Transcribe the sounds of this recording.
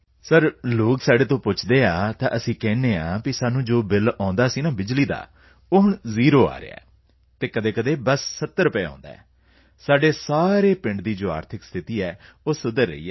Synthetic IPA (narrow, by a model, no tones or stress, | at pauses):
səɾloːksaːɖeːt̪õːpʊt͡ʃʰd̪eːaːt̪ã̰ːʔəsĩːkɛːneːãːkɪsaːnũːd͡ʒoːbɪlãːnd̪aːsĩːnãːbɪd͡ʒliːd̪a̰ː | oːɦʊɳziːɾoːa̰ːɾḛa̰ɛː | t̪eːkəd̪eːkəd̪eːbəsːət̪ːəɾʊpeːɔ̰̃ːnd̪aːɛː | saːɖeːsaːɾeːpɪ̃ɳɖd̪iːd͡ʒoːa̰ːɾt̪ʰɪkst̪ʰɪt̪iːɛːoːsʊd̪əɾːə̰ḭːɛː